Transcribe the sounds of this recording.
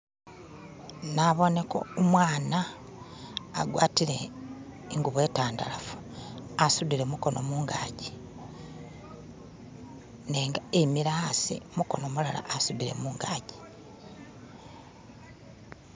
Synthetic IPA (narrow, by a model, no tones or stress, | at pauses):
naβo̞ne̞ko̞̰umwaːna | ɡwaːtiɾe̞ | iŋɡuβe̞ːtaːnda̰lafu̥ | asuβiɾemuko̞nʔo̞muːŋɡaːɟi | neːŋɡaemiɾasḭmuko̞̰nomulala̰ʔːsuβiɾe̞̰muːŋɡaːɟi̥